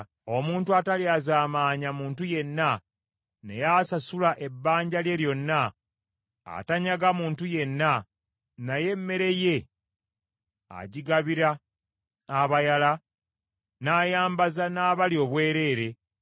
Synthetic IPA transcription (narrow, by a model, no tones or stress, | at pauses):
o̞muːntuataliazaːmaːɲamuːntuje̞nːa | ne̞̰jasasulaʔe̞bːaːɲɟalje̞ljo̞nːa | a̰taɲaɡamuːntuje̞nːa | naje̞mːe̞ɾe̞je̞ | a̰ɟiɡaβiɾaː | βajala | naːjaːmbazanaːβaljo̞βwe̞ːɾe̞ːɾe̞